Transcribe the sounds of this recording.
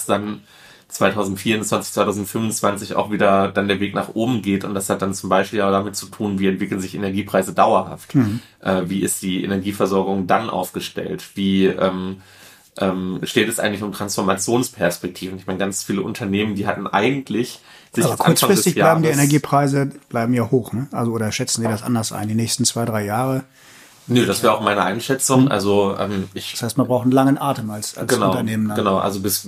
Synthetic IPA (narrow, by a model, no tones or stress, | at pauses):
sd̥an | t͡sv̥aɪtʰaʊzn̩tfiːɐʁʊnt͡sv̥ant͡sɪçtt͡sv̥aɪtʰaʊzn̩tfʏmvʊnt͡sv̥ant͡sɪça̰ʊxv̥iːdɐd̥andeːɐveːknaːχʔoːbm̩ɡeːtʊ̰nt̚d̥ashat̚d̥ant͡sʊmbaɪʃpiːlaʊdamɪtt͡sutʰuːnviːɛntv̥ɪkl̩nzɪçenɛɐɡiːpʁ̥aɪzədaʊɐha̰ft | ʔɛːviːɪstd̥iːʔḛnɛɐɡiːfɛɐzɔɐɡʊŋdanʔa̰ʊfɡ̥əʃtɛ̰ltv̥iːʔɛːm | ʔɛːmʃteːtɛsʔaɪŋtlɪçʊmtʁ̥ansfɔɐmat͡sjoːnspʰɛɐspɛk̚tʰiːvn̩ɪçmaɪnəɡant͡sfiːləʔʊntʰɐneːməndiːɦatn̩ʔa̰ɪɡŋ̩tʰlɪç | zʔɪaːbɐkʰaʊɐnt͡sfaŋʁɪstɪçaaɪbm̩diːenɛɐɡiːpʁ̥aɪzəb̥laɪbm̩jaːhoːxnəʔalzoʔoːdɐʃɛt͡sn̩ziːdasʔa̰ndɐsʔa̰ɪndiːnɛːçstn̩t͡sv̥aɪdʁaɪjaːʁə | nədassv̥ɛːɐaʊxmaɪnəʔa̰ɪnʃɛt͡sʊŋʔa̰lzoʔɛ̰ːmɪç̥shaɪstmanbʁaʊxtn̩laŋənʔaːɐtəmalsaɡənaʊtɐneːməndaɡənaʊʔa̰lzobɪs